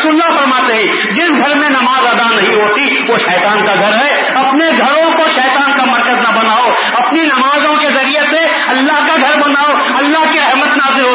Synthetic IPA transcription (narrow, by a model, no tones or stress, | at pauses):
sʊlːapəɾmaːt̪eɦĩ | d͡ʒɪsɡʱəɾmẽnɐmaːzaːd̪anɐɦĩɦot̪i | ʋoʃɛːt̪aːnkaɡʱɐɾɦɛ | ɐpneɡʱɐɾõkoʃɛːt̪aːnkamɐɾkəznɐbənaːo | ɐpninɐmaːzõkezɐɾiese | ɐlːaɦkaɡʱɐɾbənaːo | ɐlːaɦkeɾɐɦmət̪naːzɪlɦo